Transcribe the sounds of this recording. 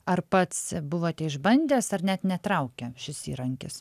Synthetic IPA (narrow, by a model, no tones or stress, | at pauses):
ɐrpɐt̪sbʊʋoːt̪ʲɛɪʒbɐnʲd̪ʲeːsɐrnʲɛt̪nʲɛt̪ɾɐʊkʲɛʃʲɪsḭːɾɐŋʲkʲɪs